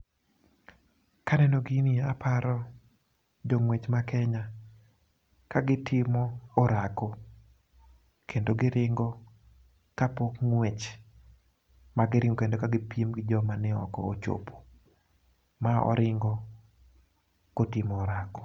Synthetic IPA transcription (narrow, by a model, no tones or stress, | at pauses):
kanɛnɔɡiniapʰaɾɔ | d͡ʒɔŋwet͡ʃmakʰɛɲa | kaɡɪtʰɪmɔoɾako | kʰendoɡɪɾɪŋɡɔ | kapokŋwet͡ʃ | maɡɪɾɪŋɡokendokaɡɪpjimɡɪd͡ʒɔmanɪɔ̰kɔ̰ot͡ʃo̰pʰo̥ | maɔ̰ɾʔɪŋɡɔ | kotɪmɔːɾakɔ̥